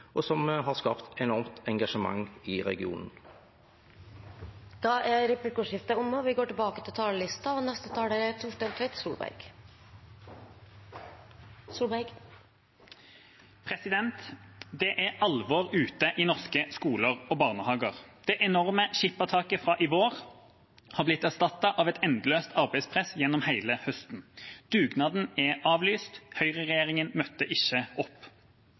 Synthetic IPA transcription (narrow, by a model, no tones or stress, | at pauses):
ʔɔsɔmɦɑʁskɑ̰ːpt̪ɛnɔʁmt̪ɛŋɡɑʃəmɑ̰ŋːɪʁɛ̰ɡɪṵːnn̩ | d̪̥ɑʔæɾɛplɪkuːʂɪft̪əʊmɔʋɪɡoːʈɪlbɑːkət̪ɪlt̪ʰɑːləlɪst̪ɑɔnɛst̪ət̪ʰɑːɖɛt̪ʰʊʈd̪eːlt̪ʰʋɛt̪suːlbæ̰ɡ̥ | suːlbæɡ | pʰʁɛsɪd̪ɛnt̪d̪ɛʔæʁʔɑlʋoːʁʉːt̪əʔiːnɔʁskəskuːləʁoːbɑːʁnəhɑːɡəʁd̪̥ɛʔɛnɔʁməʃɪpːɑt̪ʰɑːkəfʁɑːʔɪʋoːʁ | hɑːʁblɪt̪æʁst̪ɑt̪ːɑʔɑːʋɛt̪ɛnd̪løːst̪ʰɑʁbæɪspʰʁɛsjɛnːɔmhæɪləhœst̪n̩d̪̥ʉːɡnɑːd̪n̩ɛɑːʋlyːst̪hœʏʁəʁɛjeːʁɪŋənmœt̪ːəʔɪçəɔpː